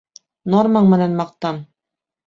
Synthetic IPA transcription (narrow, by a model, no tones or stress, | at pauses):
normɑɴmɘ̆nænmɑq̚t̪ɑm